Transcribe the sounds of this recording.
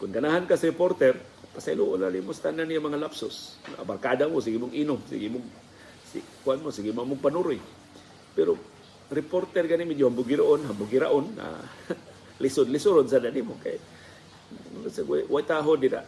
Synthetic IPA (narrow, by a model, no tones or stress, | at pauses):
kʊnkanaɦankasiɾɪport̪ɛr | pasajluʔʊnalimʊst̪ananijamaŋalapsʊsnaabarkadamʊs̬iɡimʊŋinʊŋsḭɡimʊŋ | sḭkuanmosiɡimamʊɡpanuɾʊj | pɛɾo | rɪport̪ɛrɡanimid͡ʒohambʊɡɪɾaʔʊnɦambʊɡɪɾa̰ʔʊna̰ | lisʊdlɪsʊɾons̬ananimʊka̰j | msaɡwa̰jwajt̪aɦʊndida̰